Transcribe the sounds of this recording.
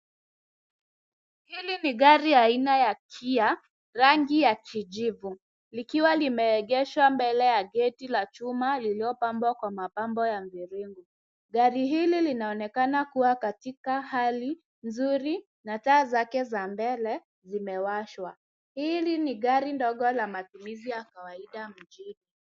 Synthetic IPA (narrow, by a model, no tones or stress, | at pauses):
hiliniɠaɾiainajakʰia | ɾaŋɡijakʰid͡ʒivu | likiwalimɛːɠɛʃwambɛlɛjaɡɛtilat͡ʃumaliliɔpambwakwamapambɔjamviɾiŋɡu | ɠaɾiɦililinaɔnɛkanakuwakatikahali | nzuɾi | nataːzakɛzambɛlɛ | zimɛwaʃwa | hiliniɠaɾindɔɠɔlamatumizijakawaiɗam̩d͡ʒini